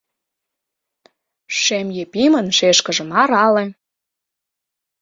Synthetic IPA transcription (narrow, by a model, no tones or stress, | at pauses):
ʃemjepimənʃeʃkə̆ʒə̆mɑɾɑlĕ